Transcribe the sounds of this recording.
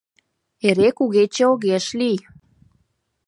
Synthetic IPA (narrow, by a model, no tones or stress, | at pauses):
eɾekuɣet͡ɕeoɣeʃlij